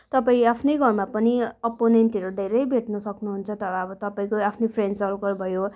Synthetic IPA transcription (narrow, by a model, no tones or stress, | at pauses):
t̪ʌpaĩapʰnʌjɡʱʌrmapʌniʌponenʈiʌɾud̪ʱeɾʌjbʱeʈnʌsʌknuɦunt͡sʰʌt̪ʌɾʌʌbʌt̪ʌpaĩkoapʰnepʰrensʌlkʌɾbʱʌjo